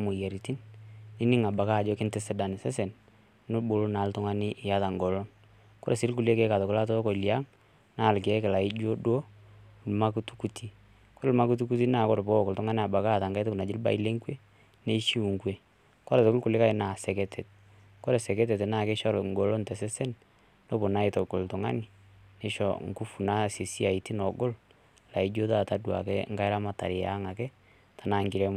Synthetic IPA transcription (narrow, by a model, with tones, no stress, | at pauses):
mʊ˨je˨ɾi˨ti˦nɪ˦nɪ˦ŋa˨ba˨ka˦˨d͡ʒɔ˦kɪ˦nte˦se˦da˨nɪ˨sɛ˦se˨n | nʊ˦bʊ˨ɾu˦na˨ltʊ˦ŋa˦nɪ˦ʔɪ˨ja˦ta˨ŋɡɔ˨lo˦n | kɔ˦ɾe˨sɪ˦lku˨le˦ke˦ka˨tʊ˨kʊ˦la˦to˦ko˨i˨lja˦ŋ | na˦˨lke˨˦kɪ˨la˨ɪ˦d͡ʒo˦dwo˦˨lma˦ku˦tu̥˦ku˦tʰi˦ | ko˦ɾɪ˦lma˦ku˦t̬u˦ku˦t̬i˦na˨kɔ˦ɾbɔ˦˨kʊ˨ltʊ˦ŋa˦nɪ˦a˨ba˨ka˦˨ta˨ŋɡa˦tɪ˦kʊ˨na˨d͡ʒɪ˦lba̰˨i˦le˦ŋkwe˦ | ne˦ʃi˦u˨ŋkwe˦ | kɔ˦ɾɛ˨tɔ˨ɡo˦kʊ˨lɪ˦ka˦ɪ˨na˨sɛ˨kɛ˦tʰɛ˨t̚ | kɔ˦ɾɛ˨sɛ˨kɛ˦t̬ɛ˨te˨naː˦˨ke˦ʃɔ˦ɾŋɡo˨lo˦ntɛ˨sɛ˦sɛ˦n | no˦bo˨na˦ɪ˨to˨ɡo˨ltɔ˨ŋa̰˦nɪ˨ | ne˦ʃɔ̰˨ŋku˦fu˨na˦si˨si˦a˨i˨ti˦nɔ˨ɡo˦l | la˨i˦d͡ʒo˦ðaː˦˨ta˦dwa̰˨kɛ˦ŋɡa˦ɪ˦ɾa˦ma˦ta̰˨ɾɪ˨ja̰˨˦ŋa˨kɛ˦ | ta˨na˦ŋɡɪ˨ɾe˦m˦